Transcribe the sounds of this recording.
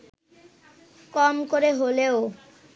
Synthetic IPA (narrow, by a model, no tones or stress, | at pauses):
kɔmkoɾeɦoleo